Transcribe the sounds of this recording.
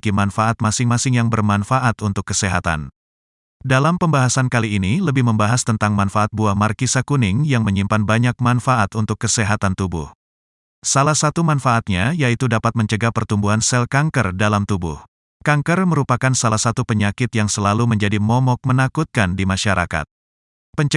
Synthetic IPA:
kimanfaʔat̪̚masɪŋmasɪŋjaŋbərmanfaʔat̪unt̪ʊkːəseɦa̰t̪a̰n | dalampəmbaɦasankaliːniləbɪhməmbaɦast̪ənt̪aŋmanfaːt̪̚buahmarkisakunɪŋjaŋməɲimpanbaɲak̚manfaʔat̪unt̪ʊkːəseɦat̪ant̪ubʊ̰h | salahsat̪umanfaːt̪̚ɲajait̪udapat̪̚məɲt͡ʃəɡapərt̪umbuɦansɛlkaŋkərdalamt̪ubʊ̰h | kaŋkərməɾupakansalahsat̪upəɲakɪt̪jaŋsəlaluməɲd͡ʒadimɔmɔk̚mənakut̪̚kandimaʃaɾʔa̰ka̰t̪̚ | pəɲ

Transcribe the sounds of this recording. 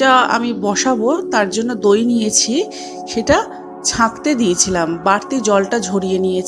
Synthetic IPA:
aa̰mibɔʃabot̪aɾd͡ʑonːod̪ojnijet͡ɕʰi | ʃeʈa | t͡ɕʰãkt̪ed̪ijet͡ɕʰilambaɾt̪id͡ʑɔlʈad͡ʑʱoɽijenije

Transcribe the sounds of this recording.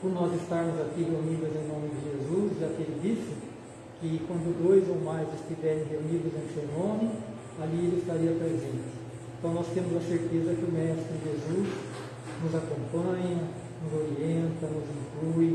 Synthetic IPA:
poɾnɔzɪst̪aɾmʊzakiɦeunid̪ɐzẽw̃nõmɪd̪ɪʒezuzɪakelɪd̪isɪ | kɪkwɐ̃nd̪ʊd̪ojzowmajzɪst̪ivɛɾẽj̃ɦeunid̪ɐzẽj̃sewnõmɪ | alielɪɪst̪aɾiɐpɾezẽnt̪ɪ̥ | ẽnt̪ɐ̃w̃nɔst̪ẽmʊzũɐseɾt̪ezɐkɪʊmɛʃɪ̥kʊd̪ɪʒezuz | nʊzakõpɐ̃ɲɐ | nʊzoɾiẽnt̪ɐnʊzĩŋkluɪ

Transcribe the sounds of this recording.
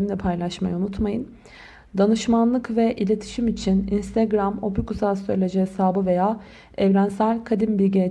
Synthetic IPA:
imlʲɛpʰajlˠaʃma̰junut̪majɯn | d̪anɯʃmanlˠɯkvɛʔilʲe̞t̪ʰi̥ʃimit͡ʃʰininst̪ʰɛɡɾamo̞̰pukuzalˠsøjlʲe̞d͡ʒɛɦɛsaːbɯve̞jaː | ɛvɾænsælʲkʰad̪imbilʲɟe

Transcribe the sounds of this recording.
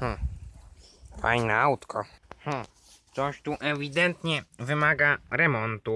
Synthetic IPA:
h̩ | fa̰jnɛawt̪kʰɔx̩ | t̪sɔɕt̪uʔɛvʲid̪ɛnt̪ɲɛvɘmaɡaɾɛmɔnt̪u

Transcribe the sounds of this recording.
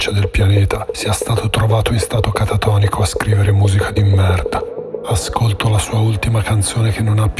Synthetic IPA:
t͡ʃːad̪elpjanɛːt̪ʰasiɛst̪aːt̪ot̪ɾovaːt̪oinst̪aːt̪okat̪at̪ɔːnikoaskɾiːveɾemuːzikʰad̪imːɛrd̪aaskolt̪olasuːault̪imakant̪soːnekenːonapː

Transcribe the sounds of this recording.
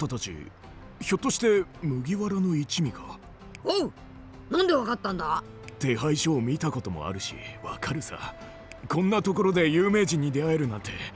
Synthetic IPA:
t̪at̪at͡ɕḭ | ço̞t̪ːo̞ɕi̥t̪e̞mɯ̟ɡʲiβaɾano̞it͡ɕimʲiɡa | o | nãnd̪e̞βakat̪ːãnd̪a | t̪e̞ɦaiɕo̞ːmʲit̪ako̞t̪o̞mo̰a̰ɾɯ̟ɕḭβa̰kʰaɾɯ̟sa̰ | kõ̞nːat̪o̞ko̞ɾo̞d̪e̞jɯːme̞ːʑĩɲ̟ːid̪e̞ae̞ɾɯ̟nãnt̪ʰe̞̰

